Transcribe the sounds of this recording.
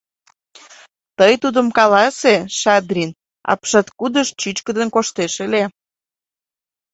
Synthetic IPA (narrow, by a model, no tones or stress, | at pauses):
t̪əjt̪ud̪əmkɑlɑseʃɑd̪rʲin | ɑ̰pʃɑt̪kud̪əʃt͡ɕyt͡ɕkəd̪ənkoʃt̪eʃele